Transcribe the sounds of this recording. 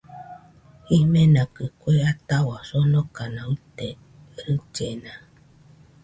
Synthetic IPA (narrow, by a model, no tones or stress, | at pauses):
imenakɨkʷeat̪awasonokanãut̪e | ɾɨt͡ʃena